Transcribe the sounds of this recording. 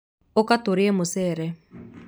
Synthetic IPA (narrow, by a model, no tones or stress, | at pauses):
okat̪uɾiɛmʊsɛːɾɛ